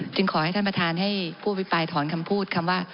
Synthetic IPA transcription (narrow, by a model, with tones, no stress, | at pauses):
t͡ɕɯ˧ŋkʰɔː˩˦ha˥˩jt̪ʰpɾa˧t̪ʰaː˧nɦa˥˩jpʰuː˥˩˨pi˦˥paː˧jt̪ʰɔː˩˦nkʰa˧mpʰuː˥˩t̪̚kʰa˧mwaː˥˩